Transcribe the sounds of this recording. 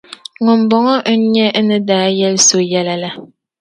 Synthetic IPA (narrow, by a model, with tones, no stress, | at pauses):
ŋɔ˨m̩˨bɔ˨ŋɔ˦ʔɲɛ˦ʔnɨ˦daː˦jɛ˦lso˦jɛ˦la˦la˦